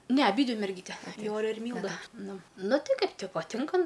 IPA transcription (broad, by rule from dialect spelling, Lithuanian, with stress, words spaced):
nʲɛ ɐˈbʲiːdʲʋʲɪ mʲɛrʲˈɡʲiːtʲɛ ˈjoːrʲɛ ɪr ˈmʲiːlˠdɐ ˈnʊ ˈnʊ ˈtʲɪ ˈkɐɪp tʲɪ pɐˈtʲɪŋkɐ